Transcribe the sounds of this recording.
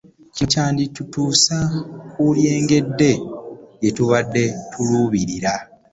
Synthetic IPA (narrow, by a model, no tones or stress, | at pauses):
cicaːnditutuːsakulje̞ːŋɡe̞dːe̞jetuβadːe̞tʰuluːβiɾiɾa